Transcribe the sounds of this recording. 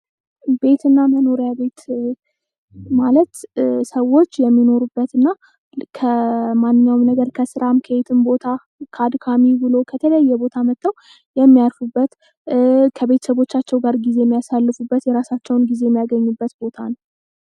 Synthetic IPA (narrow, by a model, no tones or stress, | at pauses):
be̞t̪ɨnːaməno̞ɾjabe̞t̪ | malət̪səwo̞t͡ʃːjɛmːino̞ɾubːət̪ɨnːa | kʰəmanːɨɲːawumnəɡəɾkʰəsɨɾamkʰəet̪ʰɨmbo̞t̪ʰa | kʰad̪kʰamibɨlo̞kʰət̪ʰələjːɛbo̞t̪ʰamət̪ʰːəw | jɛmːijaɾfubːət̪ | kʰəβe̞t̪ʰə̥səβo̞t͡ʃːat͡ʃːɛwɡaɾɡize̞jɛmːijasalːɨfubːət̪jɛɾasat͡ʃːɛwnɡizejɛmːijaɡəɲːubːət̪bo̞t̪ʰan